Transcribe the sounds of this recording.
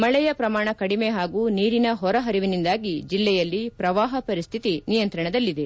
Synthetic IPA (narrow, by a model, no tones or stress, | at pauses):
mɐɭɛjɐpɾɐmaːɳɐkɐɽimeɦaːɡuːniːɾinɐɦɔɾɐɦɐɾiʋinind̪aːɡid͡ʒilːɛjɐlːipɾɐʋaːɦɐpɐɾist̪ʰit̪inijɐnt̪ɾɐɳɐd̪ɐlːid̪e̞